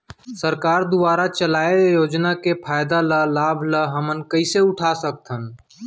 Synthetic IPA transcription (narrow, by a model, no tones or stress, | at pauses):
səɾkaːɾd̪ʊbaːɾat͡ʃəlaːejoːd͡ʒnakepʰaːjd̪alalaːbʱləɦəmənkəɪseʊʈʰasək̚t̪ʰɦən